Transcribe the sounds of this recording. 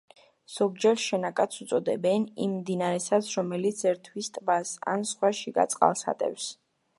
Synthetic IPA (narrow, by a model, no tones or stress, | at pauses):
z̥ɔɡd͡ʒɛɾʃɛnakʼat̪sʰut̪sʼɔd̪ɛbɛnḭmmd̪inaɾɛsat̪sʰɾɔmɛlit̪sʰɛɾt̪ʰwist̪ʼbasa̰nsχwaʃiɡa̰t̪sʼqʼa̰lˠsa̰t̪ʼɛ̰fs